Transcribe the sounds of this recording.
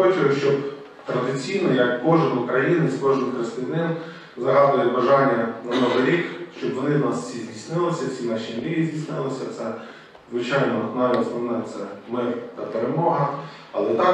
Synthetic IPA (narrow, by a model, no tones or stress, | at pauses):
ɔt͡ʃʲɪʊʃt͡ʃɔb | t̪ɾɐd̪ɪt͡sʲijnɔjɐkːɔʒɪnʊkɾɐjinɪskɔʒɨnkɾest̪ɪnɪn | zɐɦɑd̪ʊjɛbɐʒɑnʲːɐnɐnɔʋɪɾʲikʃt͡ʃɔbʋɔnɪnɑsfsʲizʲdʲijsʲnɪlˠɪsʲɐsʲinɑʃinʲnʲiʋʲizʲdʲijsʲnɪlˠɪsʲɐt̪sɛ | zʋɪt͡ʃɑjnɔnɑjslɐmnɛt̪sɛmɪrt̪ɐpeɾemɔɦɐ | ɐlˠɛt̪ɑ